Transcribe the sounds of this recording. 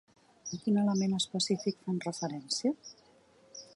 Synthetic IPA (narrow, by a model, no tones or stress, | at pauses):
akinalamẽnəspəsifikfanrəfəɾɛnsja